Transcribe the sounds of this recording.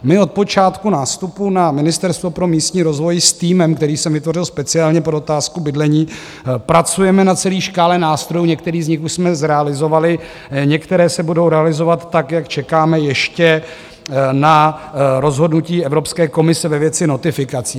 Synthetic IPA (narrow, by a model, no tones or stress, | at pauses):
mɪo̞t̪̚po̞t͡ʃaːt̪kunaːst̪upunamɪnɪst̪ɛɾst̪vopɾo̞miːst̪ɲiːɾo̞zvo̞jst̪iːmɛmkt̪ɛɾiːsɛmvɪt̪vo̞r̝ɪlspɛt͡sɪaːlɲɛpodot̪aːskubɪdlɛɲiː | pɾat͡sujɛmɛnat͡sɛliːʃkaːlɛnaːst̪ɾo̞juɲɛkt̪ɛɾiːzɲɪxuʃsmɛzɾɛalɪzo̞valɪ | ɲɛkt̪ɛɾɛːsɛbudo̞wɾɛalɪzo̞vat̪ːakjakt͡ʃɛkaːmɛjɛʃcɛ | naɾo̞zɦo̞dnuciːɛvɾo̞pskɛːko̞mɪsɛvɛvjɛt͡sɪno̞t̪ɪfɪkat͡siː